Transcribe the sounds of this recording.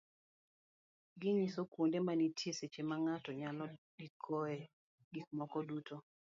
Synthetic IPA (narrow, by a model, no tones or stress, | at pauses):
ɡɪɲisokwondemanitjeset͡ʃemaŋatɔɲalɔdikʰoɛ | ɡik̚mɔkɔduto